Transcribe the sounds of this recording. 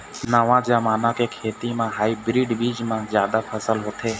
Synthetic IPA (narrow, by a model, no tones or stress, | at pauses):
nəʋãːd͡ʒaːmaːnãːkeːkʰeːt̪imãːɦaːibɾiːɖbiːd͡ʒmãːzjaːd̪aːpʰəsəlɦoːt̪ʰeː